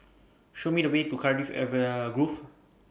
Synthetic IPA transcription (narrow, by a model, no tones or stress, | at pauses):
ʃomidəwetukʰadifɛ̰vəɡɹuf